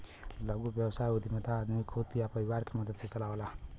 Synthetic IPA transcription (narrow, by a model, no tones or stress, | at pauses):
lʌɡubjɛwsajud̪imat̪aːd̪mikʰot̪ijapʌɾiwaɾkemʌd̪ʌd̪̚sʰet͡sʌlawola